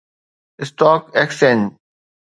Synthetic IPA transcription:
ɪsʈɔːkeksen

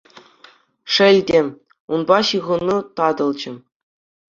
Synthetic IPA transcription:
ʂɘ̆lʲdʲĕ | unbɑɕɯʁɤ̆nːut̪ɑd̪ɤ̆lˠd͡ʑɘ̆

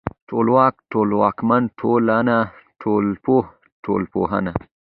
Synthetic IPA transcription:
ʈʰoːlwaːkʈoːlwaːkmantʰolanaʈʰoːlpoh | ʈʰolpoɦa̰na

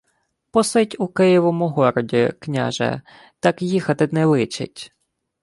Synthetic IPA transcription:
pɔsɪtʲʊkɪjiʋɔmʊɦɔɾɔdʲiknʲa̰ʒɛ̰ | t̪ɑkjixɐt̪ɪnɛlˠɪt͡ʃɪ̰tʲ

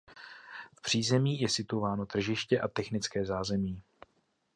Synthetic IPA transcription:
fpr̝̥iːzɛmiːjɛsɪt̪uvaːnot̪r̩ʒɪʃcɛʔat̪ɛxnɪt͡skɛːzaːzɛmiː

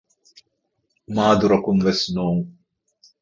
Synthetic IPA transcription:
maːd̪uɾɐkumvɛsnoːŋ

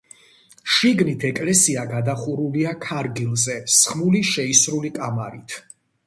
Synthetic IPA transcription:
ʃiɡnit̪ʰɛkʼlɛsiaɡad̪aχuɾuliakʰaɾɡilˠzɛsχmuliʃɛisɾulikʼamaɾit̪ʰ

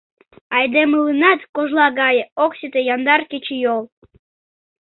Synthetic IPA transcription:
ɑjd̪emɨlɨnɑt̪koʒlˠɑɡɑjəoksʲit̪ejɑnd̪ɑrkʲet͡ɕijolˠ

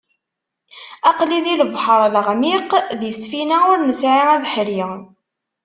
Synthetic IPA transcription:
ɑqliðiləvħəɾˤlʁmiqðjəsfinæʊɾnəsʕiæðħɾi

